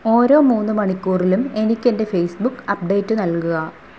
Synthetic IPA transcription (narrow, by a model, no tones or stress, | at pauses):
o̞ːɾo̞ːmuːnːumɐɳikʲːuːrilume̞nikʲːe̞nde̞fejsbukːɐp̚ɖe̞ːtːunɐlkuɣɐ